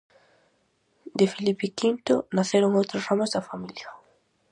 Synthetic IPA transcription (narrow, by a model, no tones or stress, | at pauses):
d̪efilipikint̪onaθeɾoŋowt̪ɾosramozd̪ɐfamilja